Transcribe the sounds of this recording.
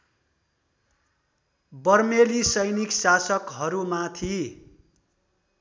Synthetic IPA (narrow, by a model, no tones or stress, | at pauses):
bʌrmelisʌjniksasʌkɦʌɾumat̪ʰi